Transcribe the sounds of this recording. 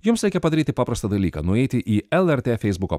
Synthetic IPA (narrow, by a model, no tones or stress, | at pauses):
jʊmsɾʲɛɪkʲɛpɐd̪ɐɾʲiːt̪ʲɪpɑːpɾɐst̪ɐd̪ɐlʲiːkɐ̰nʊɛɪt̪ʲɪʔiːɛlˠɛɾʲt̪ʲeːfʲɛɪzbʊko̰